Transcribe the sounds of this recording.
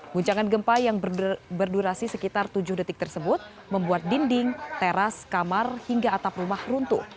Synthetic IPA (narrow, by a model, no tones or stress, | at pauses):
ɡ̥uɲt͡ʃaŋanɡəmpajaŋbərduɾasisəkit̪art̪ud͡ʒʊhdət̪ɪk̚t̪ərsəbʊt̪̚ | məmbuat̪̚dindɪŋt̪eɾaskamarhiŋɡaːt̪aprumahrunt̪u